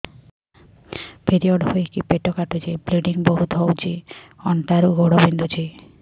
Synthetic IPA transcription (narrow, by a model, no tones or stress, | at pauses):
pʰeɾiɔɖɦojkipeʈokaʈut͡ʃibleɖiŋboɦut̪ɦowt͡ʃʰiɔɳʈaɾuɡoɽɔbind̪ʱut͡ʃʰi